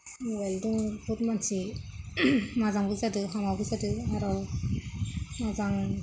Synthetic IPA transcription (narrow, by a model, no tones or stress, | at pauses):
weldiŋbutmansi | mazaŋbɯzadɯɦamawbɯzadɯaɾɔw | mazaŋ